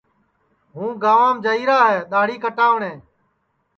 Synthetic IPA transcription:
ɦũːɡaːʋãːmd͡ʒəiːɾaːɦɛːɗ̪aːɽiːkəʈaːʋɳẽː

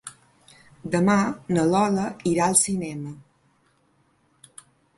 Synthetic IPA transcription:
d̪əmanəlɔləiɾaəlˠsinɛmə

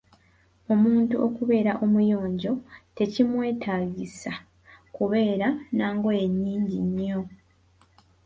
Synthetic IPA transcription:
o̞muːntuʔo̞kuβe̞ːɾaʔo̞mujo̞ːɲɟo̞te̞cimwe̞ːtʰaːɡisa | kuβe̞ːɾanaːŋɡo̞je̞ɲːiːɲɟiɲːo̞

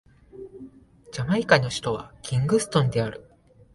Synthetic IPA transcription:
d͡ʑamaikainoɕi̥t̪o̞β̞akʲʰĩŋɡɯ̟sɨ̥t̪õ̞nd̪e̞aɾɯ̟

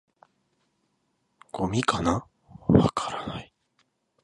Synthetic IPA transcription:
ɡ̥o̞mʲikana | βa̰kʰaɾanai

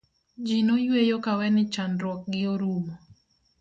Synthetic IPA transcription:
d͡ʒinojwejokawɛnɪt͡ʃandɾwɔk̚ɡɪoɾumɔ

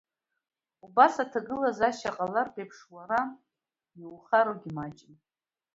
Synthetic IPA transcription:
ubasatʰaɡɨlazaʃaqʼalarpʼepʰʂwaɾa | iwχaɾoɡʲimat͡ʃʼɪn

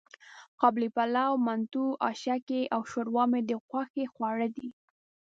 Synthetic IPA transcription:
qɑblipalawmant̪uɑ̰ʃakeʔawʃoɾwɑmed̪əxwaxexwaɽəd̪i

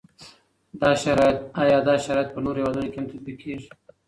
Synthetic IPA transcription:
d̪ɑʃaɾɑjɪt̪ɑjɑd̪ɑʃaɾɑjɪt̪̚pənoɾhewɑd̪unokeamt̪at̪̚bikʰːeʐi̥

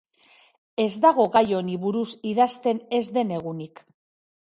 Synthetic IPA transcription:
e̞zd̪aɣ̞o̞ɣajo̞niβuɾusiðast̪e̞ne̞zd̪e̞ne̞ɣ̞unik

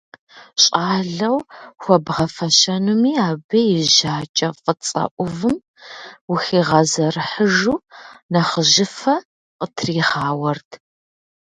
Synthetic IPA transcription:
ɕʼaːɮɐwxʷɔbʁɐfɐʃɐnumiːaːbɐjɪʒaːt͡ʃʼɐfʼət͡sʼɐ̰ʔʷʊvɨm | wʊxiːʁɐzɐrɨħəʒuːnɐχəʒɪfɐ | qʼətʰriːʁaːwɐrtʰ

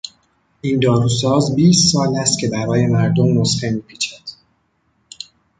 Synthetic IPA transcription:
ʔind̪ɒːɾuːsɒːzbiːst̪sɒːlæst̪cʰe̞bæɾɒːje̞mæɾd̪omːosxemiːpʰiːt͡ʃʰæd̪̥

